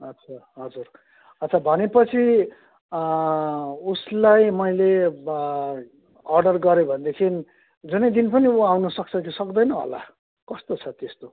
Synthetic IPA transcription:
ʌt͡sʰaɦʌd͡zur | ʌt͡sʰabʱʌnepʌt͡sʰi | uslajmʌjle | ʌrɖʌrɡʌɾebʱʌnd̪ekʰini | d͡zunʌjd̪inpʌniuawnʌsʌk̚t͡sʰʌkisʌkd̪ʌjnʌɦo̰la̰ | kʌst̪ot͡sʰʌt̪est̪o

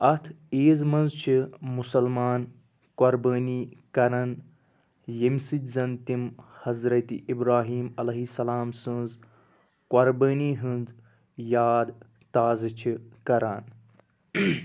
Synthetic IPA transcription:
ɐt̪ʰeːzmɐnzt͡ʃʰimusɐlmaːn | koɾbəːniːkɐɾɐn | jɐmsit̪ʲzɐnt̪imhɐzɾɐt̪iʔibɾaːɦiːmɐlɐɦisɐlaːmsɐ̃nz | koɾbəːniːɦɨ̃nz | jaːd̪ | t̪aːzɐt͡ʃʰikɐɾaːn

